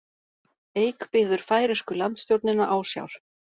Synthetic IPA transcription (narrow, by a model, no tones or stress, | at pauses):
eːjkpɪːðʏɾ̥faːjɾɛskʏlant̪st̪jowɾt̪nɪnaʔaːwsja̰wɾ̥